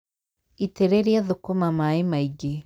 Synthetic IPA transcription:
iteɾeɾiaðokomamaemaiɡe

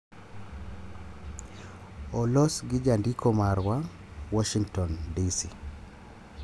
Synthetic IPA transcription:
ɔlɔsɡɪd͡ʒandikʰɔmaɾwa | wɔʃiŋtɔndisi

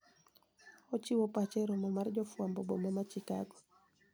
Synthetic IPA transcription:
ɔt͡ʃiwɔpat͡ʃɛɾɔmɔmard͡ʒɔfwambɔbɔ̰mamat͡ʃika̰ɡɔ

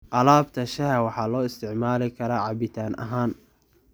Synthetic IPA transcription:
ʔɐlaːbt̪ʰɐʃɐɦɐwɑħɑːlɔːɪst̪ʰɪʕmaːlɪkʰɐɾɐʕɑbɪt̪ʰaːnʔɐ̰ɦaːn

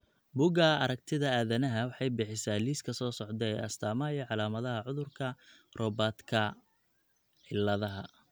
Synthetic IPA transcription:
buɡɐɐɾɐk̚t̪ʰɪðɐaːðɐnɐɦɐwɑħɑjbɪħɪsaːliːskʰɐsɔːsɔʕd̪ɛjɐ̰st̪ʰaːmɐjɛʕɑlaːmɐðɐɦɐʕʊðʊrkʰɐ | rɔːbaːt̪kʰɐ | ħɪlːɐðɐɦɐ

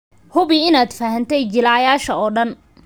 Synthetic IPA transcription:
hʊβɪɪnaːd̪faːɦɐnt̪ʰɛjt͡ʃɪlaːjaːʃɐɔːɖɐn

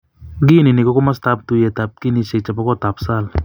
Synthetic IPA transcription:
ɡininikɔkɔmast̪ap̚t̪ujet̪ap̚kinisek̚t͡ʃapakɔt̪apsal

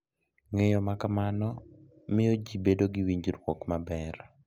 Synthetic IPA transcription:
ŋejɔmakamanɔ | mɪjɔd͡ʒibedoɡɪwiɲd͡ʒɾwɔkmabɛr

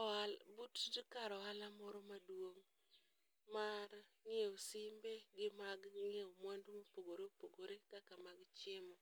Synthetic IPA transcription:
ɔalbutd͡ʒkaɾɔalamɔɾɔmadwoŋ | maɾŋeosɪmbeɡɪmaɡŋeomwandumopoɡoɾepoɡoɾekakamaɡt͡ʃɪmɔ

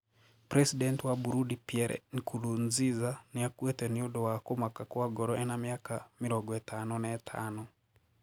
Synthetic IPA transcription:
pɾɛsidɛntiwabuɾudipiɛɾɛ̰nikulunzizaniakwɛtɛniodɔwakomakakuaɡɔɾɔʔɛnamjakamiɾɔɡɛtanɔnɛtʰa̰ːnɔ

